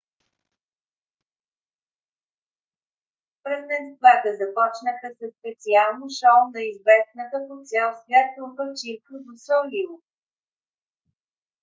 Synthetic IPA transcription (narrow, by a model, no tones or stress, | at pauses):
pɾɛznɛst̪vat̪əzɐpɔt͡ʃnəxəsəspɛt̪sialˠnoʃand̪ɐizvɛsnəkək̪ɔt̪sʲjalˠsvʲjat̪̚ːɾukət͡ʃiɾkəd̪osɔlivo